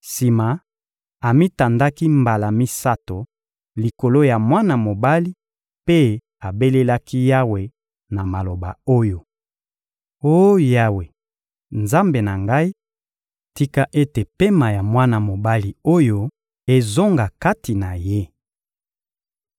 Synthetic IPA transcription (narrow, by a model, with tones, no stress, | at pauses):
si˨ma˨ | a˨mi˦ta˨nda˦ki˦mba˨la˨mi˦sa˦to˨ | li˨ko˨lo˦ja˨mwa˦na˨mo˨ba˦li˦ | pe˦ | a˨be˦le˦la˦ki˦ja˦we˨ | na˨ma˨lo˨ba̰˨o˦jo˨ | o˦ja˦we˨ | nza˦mbe˨na˨ŋɡa˦i˦ | ti˦ka˦ʔe˦te˨pe˦ma˨ja˨mwa˦na˨mo˨ba˦li˨o˦jo˦ | e˨zo˦ŋɡa˨ka˦ti˨na˨je˦